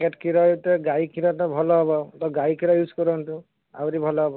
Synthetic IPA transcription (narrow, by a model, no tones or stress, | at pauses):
keʈkiɾɔut̪ɛɡajkʰiɾɔt̪ɔbʱɔlɔɦɔbɔt̪ɔɡajkʰiɾɔjuskɔɾɔnt̪ũ | a̰bɔɾibʱɔlɔɦɔbɔ